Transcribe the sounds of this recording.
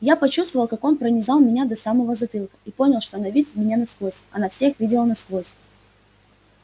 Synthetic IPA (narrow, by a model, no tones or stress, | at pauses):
japɐt͡ɕust̪vəvəlˠkako̞npɾənʲɪzɑlˠmʲɪnʲad̪ɐsaməvəzɐt̪ɨlˠkə̥ipo̞nʲɪlˠʂt̪o̞ɐnavʲidʲɪt̪ʲmʲɪnʲanɐskvˠo̞sʲɐnafsʲe̞xvʲidʲɪlˠənɐskvˠo̞sʲ